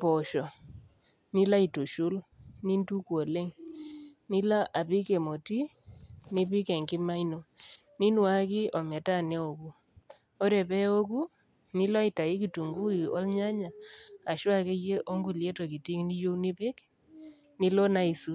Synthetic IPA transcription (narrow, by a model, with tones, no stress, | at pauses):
pɔ˨ʃɔ˨ | nɪ˦la˦i˨tu˨ʃu˦lni˦ntu˦kwo˨le˦ŋ | nɪ˦la˦ʔa˨pɪ˦ke˨mo˨ti˦ | nɪ˦pɪ˦kɛ˨ŋkɪ˦ma˦ino˨ | ni˦n˦wa˦kɪ˦ɔ˨mɛ˨ta˦˨nɛ˦o˨ku˦ | o˦ɾɛ˨pɛ˦o˦ku˦ | nɪ˦lɔ˦i˨ta˨ɪ˦ki˨tu˨ŋɡu˦i˨ɔ̰˦lɲa˦ɲa˨a˨ʃwa˦ke˦je˦ʔo˦ŋɡu˦˨lje˦tɔ˨ki˨ti˦ŋni˦jo˦nɪ˦pɪ˦k | ni˦lɔ˦na˦i˨su˦